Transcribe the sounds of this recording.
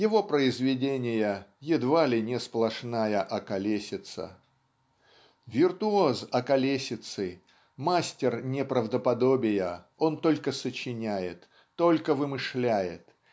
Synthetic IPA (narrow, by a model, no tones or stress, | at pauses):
jɪvo̞pɾəɪzvʲɪdʲenʲɪjəjɪd̪valʲɪnʲɪsplˠɐʂnajəʔɐkɐlʲesʲɪt̪sə̰ | vʲɪrt̪ʊozɐkɐlʲesʲɪt̪sɨ | masʲtʲɪrnʲɪpɾəvd̪əpɐd̪o̞bʲɪjə | o̞nt̪o̞lʲkəsət͡ɕɪnʲæjɪt̪ː | o̞lʲkəvɨmɨʂlʲæjɪt̪